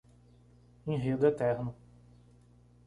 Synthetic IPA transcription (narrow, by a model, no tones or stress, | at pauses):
ẽj̃ɦed̪ʊɛt̪ɛɾnʊ